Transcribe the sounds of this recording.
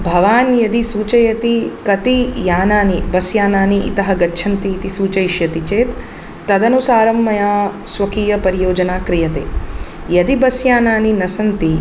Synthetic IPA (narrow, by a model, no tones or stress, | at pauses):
bʱɐʋaːnjɐd̪isuːt͡ʃɐjɐt̪ikɐt̪ijaːnaːnibɐsjaːnaːniʔḭt̪ɐɦɐɡɐtːʃʰɐnt̪it̪isuːt͡ʃɐjʃjɐt̪it͡ʃeːt̪ː | ɐd̪ɐnusaːɾɐmːɐjaː | sʋɐkiːjɐpɐɾijoːd͡ʒɐnaːkɾijɐt̪ḛː | jɐd̪ibɐsjaːnaːninɐsɐnt̪i